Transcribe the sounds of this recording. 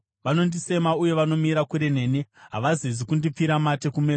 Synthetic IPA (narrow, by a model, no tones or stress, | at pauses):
ʋano̞ndise̞mauje̞ʋano̞miɾakuɾe̞ne̞ːneɦa̰ʋazizikundip͡fiɾamate̞kume̞ːs